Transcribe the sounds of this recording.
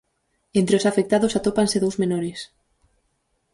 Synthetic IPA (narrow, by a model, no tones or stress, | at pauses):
ent̪ɾeosafek̚t̪aðosat̪opanseðowzmenoɾes